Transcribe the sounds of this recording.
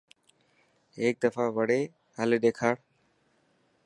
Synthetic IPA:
eːk̚d̪əfaːʋəɽeː | ɦəleːɗeːkʰaːɽ

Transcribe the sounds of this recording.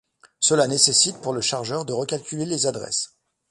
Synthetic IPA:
səlanesesit̪̚puʁləʃaʁʒœʁd̪əʁəkʲalkʲylelezad̪ʁɛ̰s

